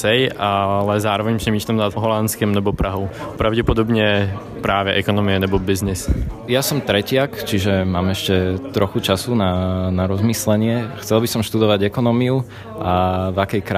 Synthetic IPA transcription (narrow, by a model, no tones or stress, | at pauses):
sɛjalɛzaːɾɔʋɛɲpsɛmiːʃlamnaɦɔlant͡skɛmlɛbɔpɾʔaɦɔʊpɾaʊɟɛpɔd̪ɔbɲɛ | pɾaːʋɛʔɛkɔnɔmiɛlɛbɔbiznisjasɔmt̪ɾɛcɪakt͡ʃiʒɛmaːmɛʃcɛt̪ɾʔɔxut͡ʃasunanaɾɔzmislɛɲɪɛxt͡sɛlbisɔmʃt̪ud̪ɔʋaɟɛkɔnɔmiu | ʔavakɛjkɾa